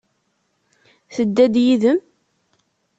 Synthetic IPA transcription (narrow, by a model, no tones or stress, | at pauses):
θəd̪ːæd̪jiðəm